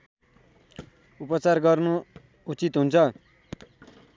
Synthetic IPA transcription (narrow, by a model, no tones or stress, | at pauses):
upʌt͡sarɡʌrnu | ut͡sit̪ɦunt͡sʰʌ